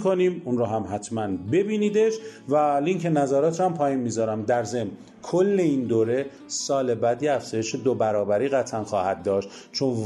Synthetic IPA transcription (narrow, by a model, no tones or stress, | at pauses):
kʰoniːmunɾɔːɦæmɦæt̪ʰmænbe̞biːniːd̪e̞ʃvæliŋkʰenæzæːɾɒːt̪ʰɾɔæmpʰɒːjiːnmizɒːɾæmd̪æɾze̞mn | kʰolːe̞iːnd̪oːɾe̞ | sɒːle̞bæd̪iæfz̥ɒːje̞ʃed̪obæɾɒːbæɾiːɣæt̪ʰænxɒːhæd̪̚dːɒːʃt̪t͡ʃʰon